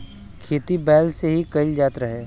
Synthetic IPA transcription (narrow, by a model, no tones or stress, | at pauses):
kʰeːt̪ibɛːlseɦikɐɪld͡ʒaːt̪ɾɐɦeː